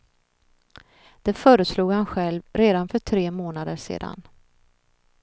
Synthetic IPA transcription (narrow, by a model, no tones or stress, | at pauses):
d̪̥ɛfœːɾəsluːɡhanɧɛlvɾeːd̪anfœʈʰɾeːmoːnad̪əʂḛːd̪a̰n